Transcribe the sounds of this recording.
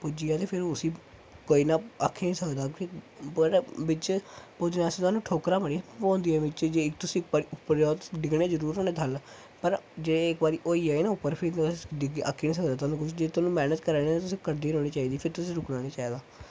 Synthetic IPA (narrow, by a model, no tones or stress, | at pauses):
pʊd͡ʒiːaːt̪eːpʰɪɾʊsĩː | koːiːnaːakʰːeːniːsəkd̪aːɪ | pəɾʋɪt͡ʃpoːd͡ʒnaːsĩːt̪aːnũːʈʰoːkɾaːbənipɔ̃ːnd̪iːɛːʋɪt͡ʃd͡ʒeːɪkt̪ʊsĩːɪk̚baːɾiːʊpːəɾoːt̪ːɖɪɡɽeːzəɾuːɾoːneːt̪ʰəl | pəɾd͡ʒeːɽeɪkbaːɾiːʔoːiːɛːeːnaːʊpːəɾpʰɪnɖɪɡa̰ːkʰːiːnĩːs̬əkd̪aːt̪aːnũːkʊt͡ʃd͡ʒeːt̪ʊaːnũːmɛːnət̪kəɾnet̪ːt̪ʊsĩːkəɾd̪iːɾõːniːt͡ʃaːiːd̪iːpʰɪɾt̪ʊsĩːɾʊkɽãːniːt͡ʃaːiːd̪aː